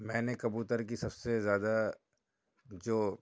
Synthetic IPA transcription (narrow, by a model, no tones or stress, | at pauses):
mɛ̃ːnekɐbuːt̪əɾk̬isɐbsezjaːd̪a | d͡ʒoː